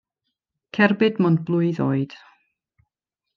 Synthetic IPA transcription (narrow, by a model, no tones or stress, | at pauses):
kʰɛrbɨdmɔnd̚blˠʊɨðoːɨd̥